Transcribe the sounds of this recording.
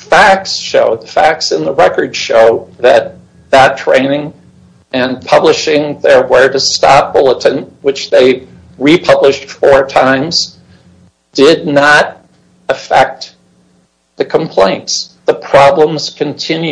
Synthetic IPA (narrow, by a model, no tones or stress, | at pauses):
fæk̚sʃoʊðəfæk̚tsɨ̃nðəɹɛkə˞d̥ʃoʊðɨt̪̚ | ðɨtʰɹ̥ḛ̃ɪ̃nɪ̃ŋ | ɨ̃npʰʌblɨʃɪ̃ŋðə˞wə˞ɾɨstɑp̚b̥ʊlˠəɾɨ̃nwɨt͡ʃðeɪ | ɹipʰʌblɨʃtfə˞tʰãɪ̃mz̥ | d̥ɪdⁿnəɾ | ɨfɛk̚t̪̚ | ðɨkʰə̃mpʰl̥ẽɪ̃ntsðəpʰɹ̥ɑblə̃mz̥kʰɨ̃ntʰɪ̃nj